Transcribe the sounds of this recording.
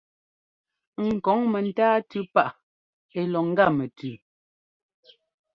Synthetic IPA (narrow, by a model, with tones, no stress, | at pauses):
ŋ̩˨kɔ˨˦ŋmɛ˨n̩˦taː˦tʉ˦pa˦˨ʔ | e˨lɔ˨ŋ̩˦ɡa˦˨mɛ˨tʰʉ˨